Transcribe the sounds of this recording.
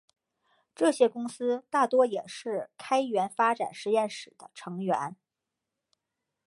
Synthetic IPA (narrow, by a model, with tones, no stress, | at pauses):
ʈ͡ʂɤ˥˩ɕjɛ˥kʊ˥ŋsɹ̩˥t̪a˥˩t̪wɔ˥jɛ˨˩ʂɻ̩˥˩kʰa˥ɪɥɛ˧˥nfa˥ʈ͡ʂa̰˨˩nʂɻ̩˧˥jɛ˥˩nʂɻ̩˨˩d̪̥ə˦ʈ͡ʂʰɤ˧˥ŋɥɛ̰˧˥n